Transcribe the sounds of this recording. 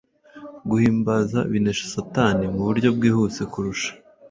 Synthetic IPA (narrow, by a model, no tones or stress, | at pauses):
ɡuhiːmbazaβine̞ʃḁsataːnimuβuɾɟo̞b̚ɡiːhut͡sekuɾuʃḁ